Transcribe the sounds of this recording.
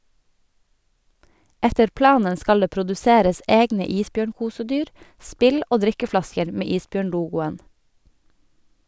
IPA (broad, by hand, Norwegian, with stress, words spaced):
ˈɛtəɾ ˈplɑːnən ˈskɑl ˈdeː pɾʊdʉˈseːɾəs ˈʔeːɡnə ˈiːsˌbjøːɳˌkuːsəˌdyːɾ ˈspɪl ˈʔoː ˈdɾɪkəˌflɑskəɾ ˈmeː ˈiːsˌbjøːɳˌluːɡʊən